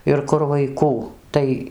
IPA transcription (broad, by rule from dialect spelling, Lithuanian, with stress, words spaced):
ɪr ˈkʊr ʋɐɪˈkuː ˈtɐɪ